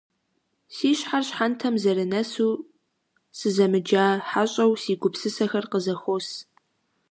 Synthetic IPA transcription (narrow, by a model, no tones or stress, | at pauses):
siːɕħarɕħantʰɐmzɐɾɨnɐsuː | sɨzɐmɨd͡ʒaːħaɕʼɐwsiːɡʷʊpsɨsɐxɐrqəzɐxʷos